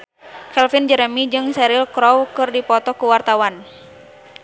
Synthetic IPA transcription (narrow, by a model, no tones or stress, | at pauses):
kɛlfind͡ʒəɾəmid͡ʒɨŋsɛɾɪlkɾɔwkɨrdipɔt̪ɔkuwart̪awan